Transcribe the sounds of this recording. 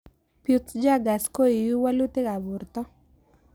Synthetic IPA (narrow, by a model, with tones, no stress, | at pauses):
pju˦t͡sd͡ʒa˦ɡa˨sko˦i˨ju˦wa˦lu˦t̪e˦ka˨bʊ˨ɾt̪ɔ˦